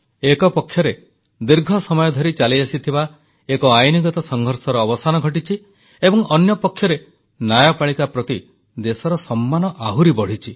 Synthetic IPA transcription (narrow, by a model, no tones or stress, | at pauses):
ekɔpɔkʰːjɔɾe | d̪iɾɡʱɔsɔmɔjɔd̪ʱɔɾit͡ʃaliasit̪ʰiba | ekɔajniɡɔt̪ɔsɔŋɡʱɔɾsɔɾɔːbɔsanɔɡʱɔʈit͡ʃʰi | ebɔŋʔɔnjɔpɔkʰːjɔɾe | najɔpaɭikapɾɔt̪i | d̪esɔɾɔsɔmːanɔʔaɦuɾibɔɽ̤it͡ʃʰi